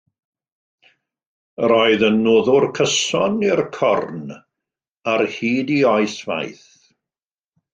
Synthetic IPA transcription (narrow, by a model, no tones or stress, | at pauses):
əɾɔɨðənːoːðʊrkʰəsɔnirkʰɔrn | arhiːdiɔɨsva̰jθ